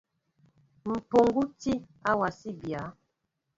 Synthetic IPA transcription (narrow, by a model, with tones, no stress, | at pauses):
m̩˨po˨ŋɡu˦ti˦ | a˦wa˨si˦bja˨˦